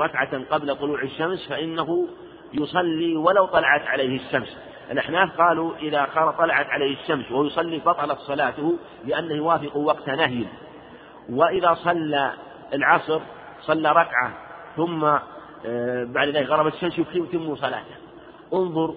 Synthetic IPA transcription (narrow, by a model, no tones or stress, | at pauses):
ɾˤɑkʕaqɑblat̪ˤʊluːʕɪʃːamsfaʔɪnːaɦʊ | jʊsˤɑlːiwalawt̪ˤɑlɑʕat̪ʕalejhɪʃːams | ʔɪlʔaħnaːθqɑːluʔɪðaxɑɾˤt̪ˤːɑlɑʕat̪ʕaleːhɪʃːamswajʊsˤɑlːibɑt̪ˤɑlɑt̪sˤɑlaːt̪ʊh | lɪʔanːahjʊwaːfɪquwɑqt̪anahj | wɪʔɪðasˤɑlːa | ɪlʕɑsˤɾ | sˤɑlːaɾˤɑkʕaθʊmːa | baʕd̪ðaːlɪkɣɑɾˤɑbat̪ʃːamsʊfkimt̪ɪmːusˤɑla̰ːt̪ah | ʔʊnðˤʊɾ